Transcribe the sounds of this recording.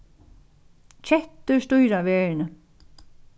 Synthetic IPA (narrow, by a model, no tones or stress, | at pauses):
t͡ɕʰɛht̪ːʏst̪ujɾaʋɛːɻnə